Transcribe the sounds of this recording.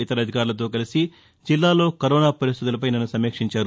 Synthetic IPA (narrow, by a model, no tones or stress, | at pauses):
it̪ɐɾɐd̪ʱikaːɾulɐt̪̬o̞ːk̬ɐlisi | d͡ʒilːaːlo̞ːkɐɾɔːnaːpɐɾist̪ʰit̪ulɐp̬ɐjnɐnːusɐmːeːkʂiɲt͡ʃaːɾu